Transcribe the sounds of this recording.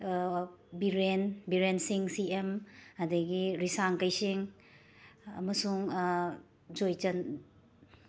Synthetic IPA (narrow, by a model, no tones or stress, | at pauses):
biɾenbiɾensiŋsiemhɐdɐɡiɾisaŋkɐjsiŋ | ɐ̰mɐsuŋ | d͡ʒojd͡ʒɐn